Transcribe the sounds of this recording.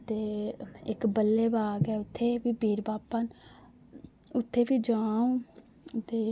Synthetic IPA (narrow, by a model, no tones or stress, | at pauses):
t̪eːɪkbəlːeːbaːɡɛːʊt̪ʰːeːbiːbʱiːɾbaːpaːn | ʊt̪ʰːeːbiːd͡ʒaːũː | t̪eː